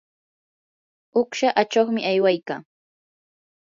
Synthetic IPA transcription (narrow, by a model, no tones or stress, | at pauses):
ʊkʃaʔat͡ʃoχmɪʔajwajkaː